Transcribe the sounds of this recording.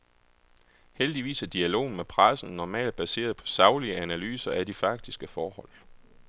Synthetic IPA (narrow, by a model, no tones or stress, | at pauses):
held̥iʋḭːsæɐd̥iælo̝̰ːn̩mepʰʁasn̩nɒmɛ̰ːld̥̚b̥æse̝̰ːɐðˠpʰɒ̥̽sɑ̈ʊliəænæly̰ːsɐæd̥ifɑ̈ɡ̥̚d̥isɡ̥əfɒːhɒ̽l̰